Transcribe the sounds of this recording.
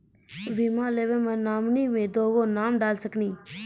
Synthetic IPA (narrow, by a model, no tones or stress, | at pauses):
ʋimãːleːʋeːmãːnaːmniːmẽːd̪oːɡoːnaːmɖaːlsəkniː